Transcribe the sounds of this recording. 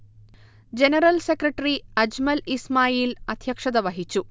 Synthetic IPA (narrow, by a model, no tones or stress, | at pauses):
d͡ʑenɐɾɐlsekrɐʈːriɐd͡ʑmɐlismaːjiːlɐd̪ʱjɐkʂɐd̪ɐʋɐɦit͡ɕːu